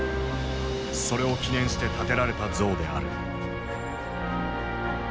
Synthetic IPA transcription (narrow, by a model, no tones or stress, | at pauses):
so̞ɾe̞o̞kʲinẽɰ̃ɕi̥t̪e̞t̪at̪e̞ɾaɾe̞t̪ad͡zo̞ːd̪e̞a̰ɾɯ̟